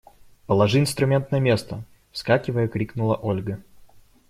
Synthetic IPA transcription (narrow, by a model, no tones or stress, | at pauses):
pəlˠɐʐɨɪnst̪ɾʊmʲe̞nt̪nəjəmʲest̪ə | fskakʲɪvəjəkɾʲiknʊlˠəʔolʲɡə